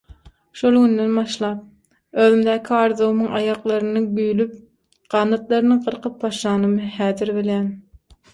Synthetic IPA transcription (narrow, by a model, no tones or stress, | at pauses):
ʃolˠɡynd̪enbɑʃlˠɑːp̚ | øːðymd̪æːkʰiɑːɾðowmɯŋɑ̰jɑqlˠɑɾɯnɯɡyjlyp̚ | ɢ̥ɑnːɑt̪lˠɑɾɯnɯŋqɯɾqʰɯp̚bɑʃɑːnɯmɯhæːðiɾbeljæːn